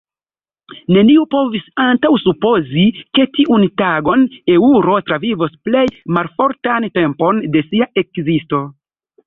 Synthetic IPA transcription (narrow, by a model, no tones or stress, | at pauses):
ne̞niupo̞visantawsupo̞zike̞tiʔuntaɡo̞ne̞uɾo̞tɾavivosple̞jmaɾfo̞ɾtante̞mpo̞nde̞siaʔe̞kzisto̞